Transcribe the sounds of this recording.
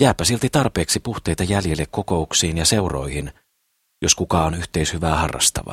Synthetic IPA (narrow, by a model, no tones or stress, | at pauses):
jæːpːˑæsilt̪it̪ɑrpe̞ːksipuht̪ejt̪ɑjæljelːekkːo̞ko̞uksiːnjɑse̞uro̞̰jhin | jo̞skukɑːonyht̪e̞ishyʋæːhɑrːɑ̰st̪ɑ̰ʋɑ̰